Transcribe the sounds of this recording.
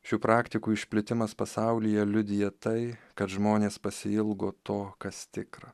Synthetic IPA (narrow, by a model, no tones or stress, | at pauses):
ʃʲuːpɾɑːkt̪ʲɪkuːɪʃʲpʲlʲɪt̪ʲɪmɐspɐsɑʊlʲɪjɛlʲʊd̪ʲɪjɛt̪ɐɪkɐt̪ʒmoːnʲeːspɐsʲɪɪlˠɡoːt̪oːkɐst̪ʲɪkɾɐ